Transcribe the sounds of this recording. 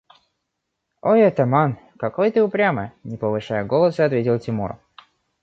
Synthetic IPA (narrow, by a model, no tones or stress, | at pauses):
o̞jɛt̪ɐman | kɐkojt̪ɨʊpɾʲamɨ̰nʲɪpəvɨʂajʊɡo̞lˠəsɨɐt̪vʲetʲɪlˠtʲɪmuɾə̰